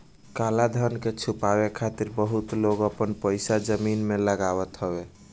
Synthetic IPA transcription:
kalad̪ʱənket͡ʃʰupaβekʰat̪iɾbəɦut̪loɡəpənpəjsad͡ʒəminmeləɡaβət̪ɦəbe

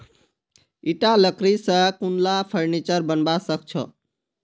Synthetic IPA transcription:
iʈaləkɾisə̃kunlapʰəɾnit͡ʃəɾbənbasək̚t͡ʃʰɔ̰

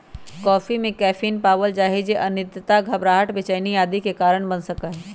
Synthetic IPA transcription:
kɔːfimẽkɛːfʰiːnpaːʋəld͡ʒaːɦid͡ʒeʔɐnɪd̪ʱjət̪aɡʱɐbɾaːɦəʈbɪt͡ʃəːnijaːd̪ikekaːɾəɽ̃bɐnsɐkaɦɛː

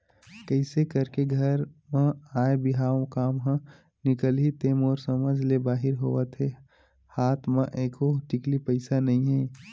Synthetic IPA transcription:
kəɪsekɐɾkeɡʱɐɾmə̃aːebɪɦaːõkaːmɦã | nɪkəlɦit̪emoːɾsɐməd͡ʒʱlebaːɦɪɾɦoːʋat̪ʰe | haːt̪ʰmə̃ʔeːkoʈɪklipəɪsanɐɦĩɦɛː

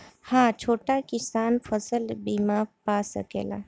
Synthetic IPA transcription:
hãːt͡ʃʰoːʈakɪsaːnpʰəsəlbiːmaːpasə̰kḛːla̰ː

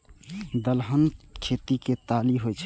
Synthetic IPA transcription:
d̪əlɦənkʰet̪iket̪aliɦojt͡ʃʰ

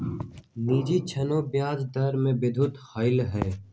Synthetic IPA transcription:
niːd͡ʒit͡ʃʰɐnõbjaːd͡ʒd̪ɐɾmẽbɪd̪ʱʊt̪xəɪlɦɛː

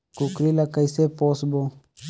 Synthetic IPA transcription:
kukɾilɐkəjseposbo

